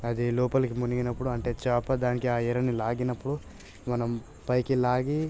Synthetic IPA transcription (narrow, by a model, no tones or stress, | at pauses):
ɐd̪ilɔːpɐlɐkimuniɡinɐpːuɽuɐɳʈe̞ːt͡ʃaːpːɐd̪aːnikiaːiɾɐnilaːɡinɐpːuɽu | mɐnɐm | pɐjkilaːɡi